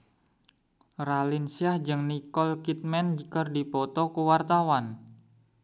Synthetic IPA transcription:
ralɪnsiahd͡ʒɨŋnikɔlkit̪̚mɛndikərdipɔt̪ɔkuwart̪awan

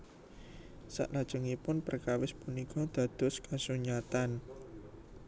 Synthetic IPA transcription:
sa̰ʔlad̥ʒ̥ʊ̤ŋipʊnpərkawɪspunikɔd̪̥ä̤d̪̥ʊ̤skasuɲat̪an

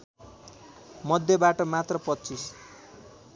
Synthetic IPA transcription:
mʌd̪ʱjʌbaʈʌmat̪rʌpʌt̪ːt͡sis

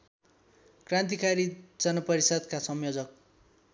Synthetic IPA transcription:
krãnt̪̬ikʰaɾid͡zʌnʌpʌɾisʌd̪kasʌmjod͡zʌk̚

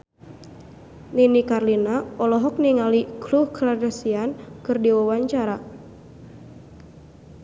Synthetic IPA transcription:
ninikarlinaɔlɔɦɔk̚niŋalikɾuhklardasiankɨrdiwawaɲt͡ʃaɾa

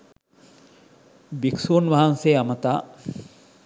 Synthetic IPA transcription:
biksuːnʋaɦanseːɐmət̪aː

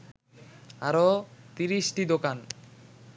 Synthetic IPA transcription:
aɾot̪iɾiʃʈid̪okan

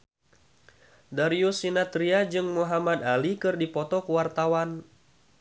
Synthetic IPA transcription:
daɾiusinat̪ɾiad͡ʒɨŋmuɦamad̪alikɨrdipɔt̪ɔkuwart̪awan

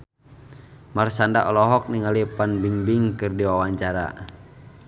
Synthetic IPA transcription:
marsandaʔɔlɔɦɔk̚niŋalipanbiŋbiŋkɨrdiwawaɲt͡ʃaɾa̰

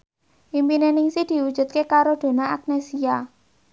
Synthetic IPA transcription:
ʔimpinenɪŋsid̪̥i̤wu̥ʒ̥ṳt̪̚kekaɾod̪̥o̤naak̚nesia

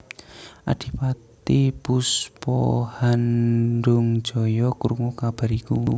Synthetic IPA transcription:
ʔa̰d̥i̤pat̪ipuspɔ̰hanɖʊŋ̥ʒ̥ɔ̤jɔkuɾŋukab̥a̤ɾiku

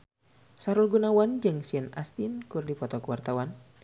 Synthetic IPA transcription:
saɾulɡunawand͡ʒɨŋsiənast̪inkurdipɔt̪ɔkuwart̪awan

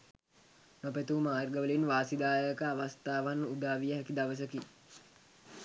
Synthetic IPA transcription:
nop̬ət̪uːmaːrɡəʋəlinʋaːsid̪aːjəkəaʋast̪aːʋanud̪aːʋijəɦɛkid̪aʋəs̬əki

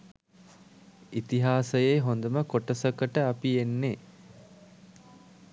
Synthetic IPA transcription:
it̪iɦaːsəjeɦond̪əməkoʈəsəkəʈəapienːe

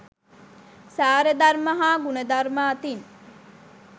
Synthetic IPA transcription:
saːɾəd̪aɾmɐɦaːɡunəd̪aɾmaːt̪in

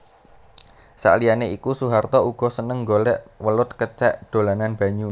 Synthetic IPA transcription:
sa̰ʔlianeikusuɦart̪ɔuɡ̥ɔ̤sənəŋɡolɛʔwəlʊt̪̚kət͡ʃɛʔd̪̥o̤lananb̥a̤ɲu

